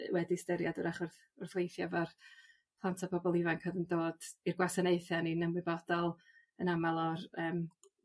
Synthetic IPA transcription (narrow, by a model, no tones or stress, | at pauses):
wɛdistəɾjadʊɾaχʊrθ | ʊrθwejθjavar | pʰlˠantʰapʰɔbɔlˠɪvankʰəðəndoːd̥irɡwasaneɨθjaninəmwɨbɔd̥ɔlˠ | ənamalˠɔɾəːm